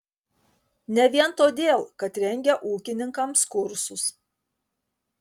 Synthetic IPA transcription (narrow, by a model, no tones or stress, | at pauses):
nʲɛʋʲiɛnt̪oːd̪ʲeːlˠkɐt̪ɾʲɛŋʲɡʲɛʔuːkʲɪnʲɪŋkɐmskʊɾsʊs